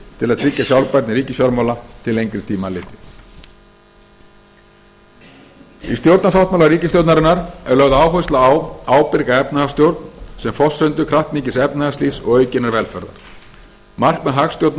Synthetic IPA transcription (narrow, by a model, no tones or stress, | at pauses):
t̪ʰɪlaðt̪ʰɾɪcːasjawlpajɾt̪nɪɾiːcɪsjɔɾmawlat̪ʰɪlejŋkɾɪɾt̪ʰiːmalɪːt̪ɪθ | ḭst̪jowɾt̪nasawht̪mawlaɾiːcɪst̪jowt̪naɾɪnːaɾɛɾlœɣðʏaːwɦœjst̪laːwaːwpɪɾkaɛpnaast̪jowɾt̪nsɛmfɔsːœnt̪ʏkʰɾaht̪niːcɪsɛpnaɣast̪iːsɔ̰ɣœːɥcɪnaɾvɛlfɛɾða̰ɾ̥ | mar̥kmɛðɦaxst̪jowt̪n